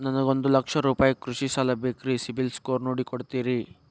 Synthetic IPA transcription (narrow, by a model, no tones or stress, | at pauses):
nɐnɐɡo̞nd̪ulɐkʂɐɾuːpaːjɐkɾuʂisaːlɐbekɾisibilskoːɾnoːɽikoɽt̪iːɾi